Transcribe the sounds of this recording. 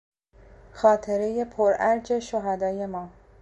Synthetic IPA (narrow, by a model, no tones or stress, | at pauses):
xɒːt̪ʰe̞ɾe̞je̞pʰoɾæɾd͡ʒe̞ʃoɦæd̪ɒːje̞mɒː